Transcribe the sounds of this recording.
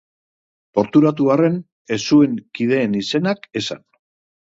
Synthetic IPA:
po̞ɾt̪uɾat̪uare̞n | e̞sue̞ŋkið̞e̞ːnise̞nake̞sa̰n

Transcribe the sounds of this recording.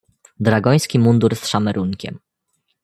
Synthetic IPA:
d̪ɾaɡɔj̃skʲimund̪uɾsʂamɛɾuŋkʲɛ̰m

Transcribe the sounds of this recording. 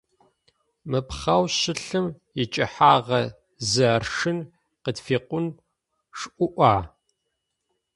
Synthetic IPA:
mɨpχɐwɕɪɬɨm | jɪt͡ʃʼɐħaːʁɐ | zɐrʂɨn | qətfiːqʷʊn | ʂʔʷʊʔʷaː

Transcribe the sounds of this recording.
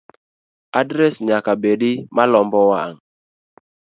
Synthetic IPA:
adɾɛsɲakabeɗimalɔmbɔwaŋ

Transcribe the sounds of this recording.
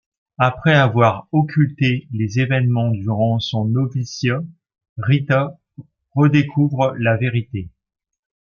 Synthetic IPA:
apχɛavwaʁɔkʲʰylt̪elezevɛnmɑ̃d̪yʁɑ̃sɔ̃nɔvisja | ʁit̪a | ʁəd̪ekʰuvʁəlaveʁit̪e

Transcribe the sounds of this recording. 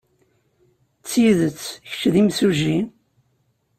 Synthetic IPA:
t͡sːiðət͡sːç̥t͡ʃðimsuʒin

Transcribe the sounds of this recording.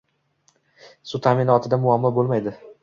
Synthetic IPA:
sut̪ʰamɪnɒt̪ʰɪd̪amʊamːɒbolˠmajd̪ɪ

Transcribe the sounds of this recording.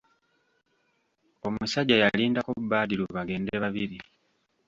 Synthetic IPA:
o̞musaɟːajaliːndakuubaːdiluβaɡe̞ːndeβaβiɾi

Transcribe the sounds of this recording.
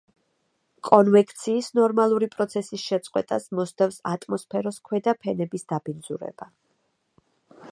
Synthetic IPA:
kʼɔnvɛkʰʼt̪sʰiːsnɔɾmalˠuɾipʼɾɔt̪sʰɛsisʃɛt̪sʼqʼwɛt̪ʼasmɔsd̪afsat̪ʼmɔspʰɛɾɔskʰwɛd̪apʰɛnɛbisd̪̥abind̪zuɾɛ̰b̥a

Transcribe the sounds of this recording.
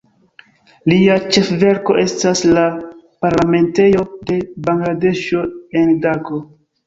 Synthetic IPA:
liat͡ʃe̞fve̞ɾko̞ʔe̞stasla | paɾlame̞nte̞jo̞de̞baŋɡlade̞ʃo̞e̞ndako̞

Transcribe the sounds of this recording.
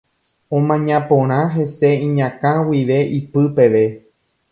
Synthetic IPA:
õmãɲãpõɾ̃ãɦe̞se̞ĩɲãkãwiʋe̞ʔipɨpe̞ʋe̞

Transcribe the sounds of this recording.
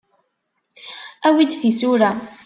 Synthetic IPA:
æwid̪θisuɾa

